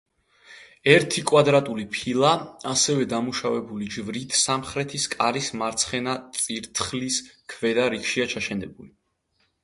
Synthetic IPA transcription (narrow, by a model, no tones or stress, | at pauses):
ɛɾt̪ʰikʼwad̪ɾat̪ʼulipʰilˠaasɛvɛd̪amuʃavɛbulid͡ʒvɾit̪ʰsamχɾɛt̪ʰiskʼaɾismaɾt̪sʰχɛnat̪sʼiɾt̪ʰχliskʰvɛd̪aɾikʃiat͡ʃʰaʃɛnɛbuli